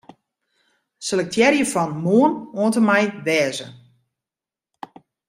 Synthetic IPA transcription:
səlɛk̚tʰjɛrjəfɔnmuənoəntəmɛjdɛːzə

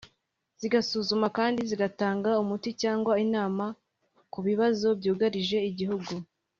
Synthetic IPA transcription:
z̥iɡasuzumakaːndiziɡataːŋɡaumuticaːŋɡwainaːma | kuβiβazo̞bjuːɡaɾiʒe̞iɟihuɡu

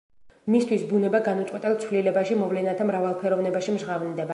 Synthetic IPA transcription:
mist̪ʰwisbunɛbaɡanut̪sʼwɛt̪ʼɛlˠt̪sʰvlilɛbaʃimɔvlɛnat̪ʰamɾavalˠpʰɛɾɔvnɛbaʃimʒʁavnd̪ɛba

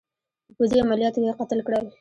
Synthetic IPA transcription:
pəziamalijɑt̪okeqat̪əlkɽaw

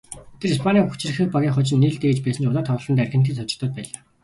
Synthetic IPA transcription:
t̪ʰĕɾispʰanʲiːxut͡ɕrɘ̆xɘ̆xpaɣʲiːŋχɔt͡ɕɪ̆nːiɮt̪eːt͡ɕpæːsə̆nt͡ɕʊt̪aːt̪ʰɔw̆ɮənærʲɪ̆nt̪̬ʰiːsʰɔt͡ɕɪ̆kt̪ɔ̆ːt̪̚pæːɮaː

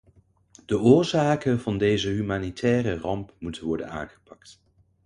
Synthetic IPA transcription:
d̥əʔʊːɹzaːkənvɑndejzəɦymaːnitʰɛːrərɑmpmutənʋɔɹdə̰na̰ːnχə̥pɑkt

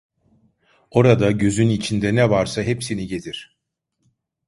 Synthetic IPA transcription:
o̞ɾad̪aɟø̞zynit͡ʃʰind̪ɛnɛvaɾsaɦepsiniɟe̞d̪iɾ̥

